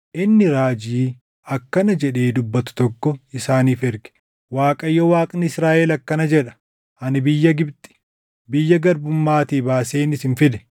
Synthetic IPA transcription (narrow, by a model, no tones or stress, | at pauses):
ʔɪnːɪɾaːd͡ʒiː | ɐkːɐnɐd͡ʒɛᶑe̞ːd̪ʊbːɐt̪ʊ̥t̪ɔkːɔɪsaːniːfɛɾɡɛ̥ | waːkʼɐjːɔwaːkʼnɪɪsɾaːʔɛlɐkːɐnɐd͡ʒɛᶑɐ̥ | ɐnɪbɪjːɐɡɪbt̪ʼɪ̥ | bɪjːɐɡɐɾbʊmːaːt̪iːbaːseːnɪsɪnfɪd̪ɛ̥